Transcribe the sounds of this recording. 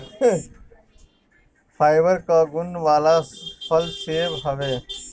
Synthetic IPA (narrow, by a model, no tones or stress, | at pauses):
pʰaːɪʋəɾkaːɡʊnʋaːlaːpʰəlseːʋɦəʋeː